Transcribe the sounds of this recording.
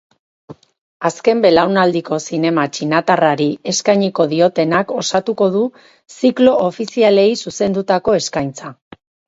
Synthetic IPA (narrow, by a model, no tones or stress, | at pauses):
aske̞mbe̞lawnald̪iko̞sine̞mat͡ʃinat̪araɾie̞skajɲiko̞ðio̞t̪e̞nako̞sat̪uko̞ð̞u | siklo̞ofisiale̞jsuse̞nd̪ut̪ako̞e̞skajnt͡sa